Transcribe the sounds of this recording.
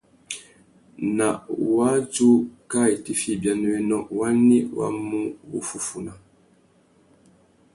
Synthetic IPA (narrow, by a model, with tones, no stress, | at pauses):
na˨ʔwa˦t͡ʃu˦ka˦˨i˨ti˦fi˦˨bja˨n˦we˦nɔ˦ʔwa˦ni˦wa̰˦mu˦bṵ˨fu˦fu˨na˨